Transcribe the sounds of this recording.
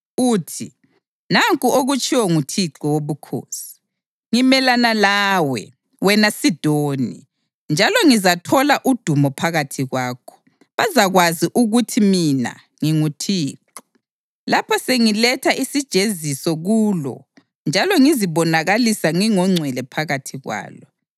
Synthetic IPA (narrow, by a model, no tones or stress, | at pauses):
uːtʰi | naŋkʼuoɣut͡ʃʼʰiwɔŋutʰiǁɔwoβukʰo̰ːsi̥ | ŋimɛlanalaːwɛ̰ | wɛnasid̥ʱoːnḭ | nd͡ʒʱalɔŋizatʰɔlaʔud̥ʱumɔpʰaɣatʰiɣwaːkʰɔ̥ | βazaɣwaziʔuɣutʰimina̰ | ŋiŋutʰiːǁɔ | lapʰɔseŋilɛtʰaʔisid̥ʒ̥ʱezisɔɣulɔ̰ | nd͡ʒʱalɔŋiziβɔnaɣalisaŋiŋɔŋ͡ǀʱwɛlɛpʰaɣatʰiɣwa̰ːlɔ